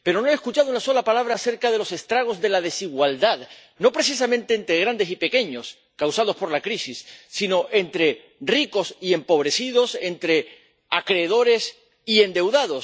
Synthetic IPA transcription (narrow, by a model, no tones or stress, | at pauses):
pe̞ɾo̞no̞eskut͡ʃaðounaso̞lapalaβ̞ɾaːse̞ɾkað̞e̞lo̞sest̪ɾaɣ̞o̞zðe̞laðe̞siɣwald̪að | no̞pɾe̞sis̬amẽnt̪e̞ːnt̪ɾeɣ̞ɾand̪e̞sipe̞ke̞ɲo̞s | kawsað̞o̞spo̞ɾlakɾisisːino̞ʔe̞nt̪ɾe̞ | riko̞sie̞mpo̞β̞ɾe̞siðo̞se̞nt̪ɾe̞ | akɾe̞ːð̞o̞ɾe̞s | iend̪e̞wðaðo̞s